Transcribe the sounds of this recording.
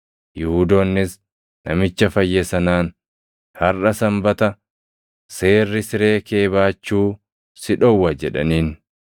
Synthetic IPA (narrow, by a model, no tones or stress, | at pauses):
jʊhuːd̪oːnːɪs | nɐmɪt͡ʃːɐfɐjːɛsɐnaːn | hɐrʔɐsɐmbɐt̪ɐ | se̞ːrːɪsɪɾe̞ːke̞ːbaːt͡ʃːuː | sɪᶑɔwːɐd͡ʒɛᶑɐ̰niːn